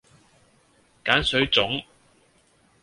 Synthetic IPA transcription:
kaː˨˥nsɵ˨˥ɥt͡sʊ˨˥ŋ

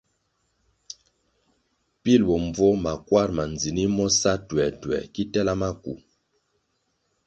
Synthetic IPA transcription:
pi˦˨lbɔ˨ɱ˨b͡vɔ˦ma˨kwa˦˨ɾma˨nd͡zi˨ni˦mɔ˦sa˦twɛ˨twɛ̰˨ki˦tɛ˦la˦ma˦ku˨

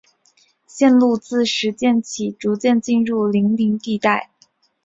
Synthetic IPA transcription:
ɕjɛ˥˧nlu˥˧t͡sɹ̩˥˩ʂɻ̩˧˥t͡ɕjɛ˥˩nt͡ɕʰi˨˩ʈ͡ʂu˧˥t͡ɕjɛ˥˧nt͡ɕi˥˧nɻu˥˩li˧˥ŋli˧˥ŋt̪i˥˧t̪a˥˩ɪ

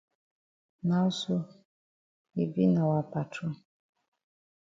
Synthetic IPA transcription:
na˦u˦su˦ | i˨vi˦na˨wa˨pa˨tʰu˦

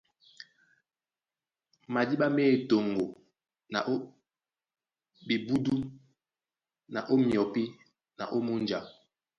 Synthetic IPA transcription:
ma˨di˦ɓa˦meː˦˨to˨ŋɡo˨ | na˨ʔo˦ | bi˨bu˦du˦ | na˨ʔo˦mjɔ˨pi˦ | na̰˨ʔo˦mu˦nd͡ʒa˨

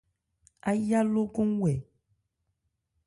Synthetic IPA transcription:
a˦ja˦lo˦ko˦ŋ˦wɛ˨

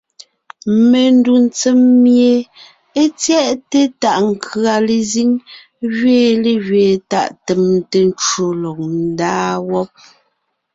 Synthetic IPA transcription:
me˨n˦du˨n̩˦t͡se˦mːje˨ | e˦t͡sjɛ˦ʔte˦ta˨ʔŋ˨kʰɰa˨le˨zi˦ŋ | ɣɥeː˦˨le˦˨ɣɥeː˨ta˨ʔte˨mte˨n˦t͡ʃo˨lɔ˨k̚n̩˦daː˦wɔ˦p̚

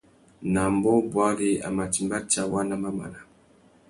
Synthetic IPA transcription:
na˨mbɔ˦bwa˦li˦a̰˨ma˨ti˨mba˦t͡ʃa˦wa˦na˦ma˦ma̰˨na˨

